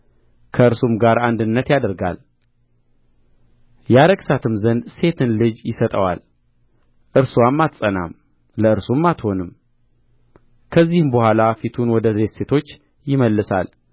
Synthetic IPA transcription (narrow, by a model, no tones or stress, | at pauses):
kʰəɨɾsumɡaɾand̪ɨnːət̪jad̪əɾɡa̰l | jaɾəɡsat̪ʰɨmzənd̪se̞t̪ʰɨnlɨd͡ʒjɪsət̪ʼəwa̰l | ʔɨɾsuwamːat̪sʼəna̰m | ləɨɾsumːat̪ho̞nɨm | kʰəzːihɨmbəhʷalafit̪ʰunwɔd̪əzɾet̪se̞t̪ʰo̞t͡ʃː | jɪməlːɨsa̰l